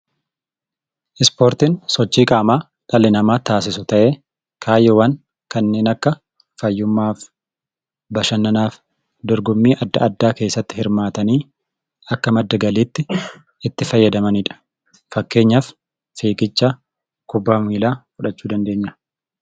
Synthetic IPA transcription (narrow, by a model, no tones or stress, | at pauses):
ʔɪspoːɾt̪insɔt͡ʃːiːkʼaːmaː | ᶑɐlɪnɐmaːt̪aːs̬ɪsʊt̪ɐʔeː | kʰaːjːɔwɐn | kɐnːe̞ːnɐkːɐ | fɐjːʊmːaːf | bɐʃɐnːɐnaːf | d̪ɔɾɡʊmːiːʔɐd̪ːɐɐd̪ːaːke̞ːsːɐt̪ːɪ̥hɪɾmaːt̪ɐniː | ɐkːɐmɐd̪ːɐɡɐliːt̪ːɪ | ɪt̪ːɪfɐjːɐd̪ɐmɐniᶑɐ̥ | fɐkːe̞ːɲːɐf | fiːkʼɪt͡ʃːa | kʊbːamiːlaːfʊᶑɐt͡ʃːuːd̪ɐnd̪e̞ːɲːɐ